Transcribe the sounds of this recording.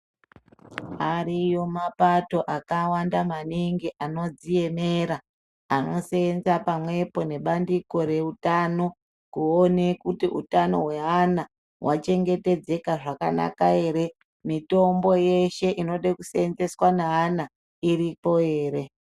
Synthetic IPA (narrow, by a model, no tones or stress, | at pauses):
aɾijo̞mapato̞ʔakawandamaniŋɡiʔano̞d͡zie̞meɾa | ano̞seːnzapamwe̞po̞ne̞ɓandiko̞ɾe̞utano̞ | kuone̞kutiʔṵtano̞̰ɦwe̞ɦana | wʔat͡ʃe̞ŋɡe̞te̞d͡ze̞kaʐaka̰na̰kae̞ːɾe̞ | mito̞mbo̞je̞ʃe̞ʔino̞ɗekuseenze̞swaneɦana | iɾipo̞eːɾe̞